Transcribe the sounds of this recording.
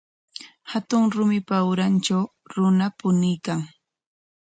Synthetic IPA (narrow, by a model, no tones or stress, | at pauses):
hat̪ʊŋɾʊmɪpawɾant͡ʃaw | ɾʊnapʊnɪjkaŋ